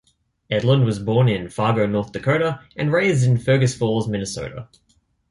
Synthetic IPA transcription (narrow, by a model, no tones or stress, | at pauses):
ɛdˡlˠə̃ndwʌzbɔɹnɪ̃nfɑːɡəʊnɔˑθðɨkʰəʊɾəɨ̃nɹeɪzdɪ̃nfɜːɡɨsfɔlˠzmɪ̃nɨsə̰ʊɾə̰